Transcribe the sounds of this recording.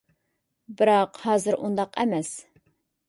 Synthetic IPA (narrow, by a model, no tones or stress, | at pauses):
bɨɾɑqhɑːzɨɾʔund̪ɑqɛmɛs